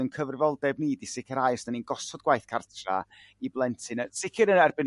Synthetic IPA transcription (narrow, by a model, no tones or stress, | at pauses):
ənkʰəvrɪvɔlˠdɛb̚niːdisɪkʰəɾajsnaninɡɔsɔdɡwajθkʰartʰra̰ | iblˠɛntʰɨnəsɪkʰɨɾənɛrbɪn